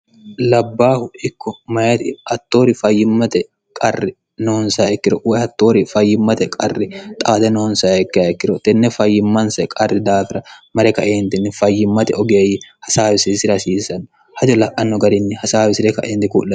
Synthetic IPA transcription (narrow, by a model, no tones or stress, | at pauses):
lɐbːaːhʊɪkːɔmɐjɐt̪ɪhɐt̪ːo̞ːɾɪfɐjːɪmːɐt̪ɛ | kʼɐrːɪ | noːnsaːɛkːɪɾɔwɔjhɐt̪ːo̞ːɾɪfɐjːɪmːɐt̪ɛkʼɐrːɪt̪ʼaːt̪ɛnoːnsaːɛkːɪjakːɪɾɔt̪ɛnːɛfɐjːɪmːɐnsɛkʼɐrːɪd̪aːfɪɾɐmɐɾɛkɐʔeːnt̪ɪnːɪfɐjːɪmːɐt̪ɛɔɡeːjɪhɐsaːwɪsɪsɪɾɐsiːsɐnː | hɐd͡ʒɔlɐʔɐnːɔɡɐɾɪnːɪhɐsaːwɪsɪɾɛkɐ̰ʔeːnt̪ɛkṵːlːɐ